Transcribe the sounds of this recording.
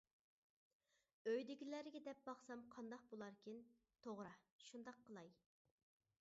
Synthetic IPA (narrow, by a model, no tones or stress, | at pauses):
øjd̪ɪɡʲilæɾɪɡʲɛd̪ɛp̚bɑχsɑmqʰɑnd̪ɑq̚bolˠɑɾkʲin | t̪ʰoʁɾɑʃund̪ɑqʰːəlˠɑj